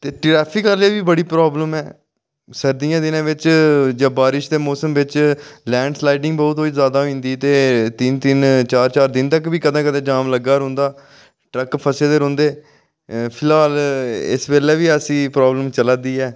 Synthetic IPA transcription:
t̪eːʈɾɛːpʰɪkaːɾleːʋiːbəɽiːpɾoːbləmɛː | səɾd̪iːãːd̪ɪnãːʋɪt͡ʃd͡ʒãːbaːɾɪʃd̪eːmɔːsəmʋɪt͡ʃlɛ̃ːɳɖslaːɪʈɪ̃ŋɡbɔːt̪ɦoːizjaːd̪aːɦoĩːnd̪iːt̪eːt̪ɪnt̪ɪnt͡ʃaːɾt͡ʃaːɾd̪ɪnt̪əkʋiːkəd̪ãːkəd̪ẽːd͡ʒaːmləɡaːɾõːnd̪aː | ʈɾəkpʰəseːd̪eːɾõːnd̪eː | pʰɪlaːlɪ̰sʋeːlɛːʋiːəsĩːpɾaːbləmt͡ʃəlãːd̪iːɛː

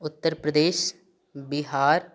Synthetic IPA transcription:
ʊt̪ːəɾpɾəd̪eːʃ | bɪɦaːɾ

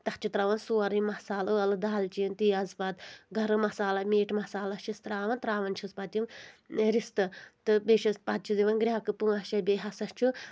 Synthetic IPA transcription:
t̪ɐht͡ʃʰut̪ɾaːʋɐnsuːɐɾɨmɐsaːlɨɐlɨd̪aːlt͡ʃint̪iːɐzpɐt̪ɡʱɐɾɨmɐsaːlɐmeːʈmɐsaːlɐʃist̪ɾaːʋɐnt̪ɾaːʋɐnt͡ʃʰispat̪ʲjimɾist̪ɨt̪ɨbeːʃɐspat̪̚t͡ʃʰuziʋɐnɡɾʲaːkɨpuɐʃɐbʲeɦɐsɐst͡ʃʰu

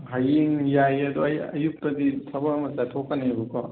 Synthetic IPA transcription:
ɦajiŋjajɐd̪oɐjɐjuk̚tɐditʰɐbɐmɐsatʰokːɐnebukɔ

